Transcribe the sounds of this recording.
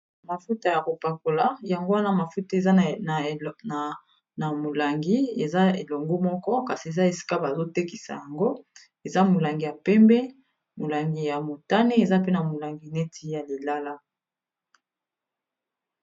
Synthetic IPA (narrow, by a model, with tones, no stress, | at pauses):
ma˨fu˦ta˨ja˨ko˨pa˨ko˨la˦ja˨ŋɡo˦wa˦na˦ma˨fu˦ta˦e˨za˦˨ | na˨ | na˨mo˨la˨ŋɡi˦e˨za˦e˨lɔ˨ŋɡo˦mɔ˦kɔ˦ka˨si˨e˨za˦e˨si̥˦ka˦ba˨zo˦te˦ki˨sa̰˨ja˨ŋɡo˦ | e˨za˦mo˨la˨ŋɡi˨ja˨pɛ˦mbɛ˦ | mo˨la˨ŋɡi˦ja˨mo˨ta˦ne˦e˨za˦pe˦na˨mo˨la˨ŋɡi˨nɛ˦tʰi˦ja˨li˨la˦la˦